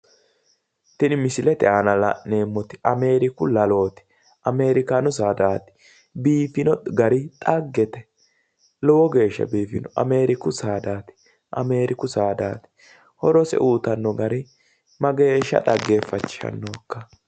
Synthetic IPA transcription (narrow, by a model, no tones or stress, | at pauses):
t̪ɪnɪmɪsɪlɛt̪ɛʔanɐlɐ̰ʔne̞ːmːɔt̪ɪ̥ʔɐme̞ːɾɪkʊlɐlo̞ːt̪ɪ̥ | ʔɐme̞ːɾɪkaːnʊs̬aːd̪aːt̪ɪ̥ | biːfɪnɔɡɐɾɪt̪ʼɐɡːɛt̪ɛ | lɔwɔɡe̞ːʃːɐ̰biːfɪ̰nɔʔɐ̰me̞ːɾɪkʊsaːd̪aːt̪ɪ̥ | ʔɐme̞ːɾɪkʊsaːd̪aːt̪ɪ̥ | hɔɾɔsɛ̰ʔuːt̪ɐnːɔɡɐɾɪ | mɐɡe̞ːʃːɐ̰t̪ʼɐɡːe̞ːfːɐt͡ʃːɪ̥ʃɐ̰nːoːkːɐ